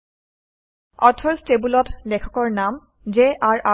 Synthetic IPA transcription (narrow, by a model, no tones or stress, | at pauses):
ɔtʰɔɹstebulɔtlɛkʰɔ̥kɔɹnam | d͡ʒeʔaɹa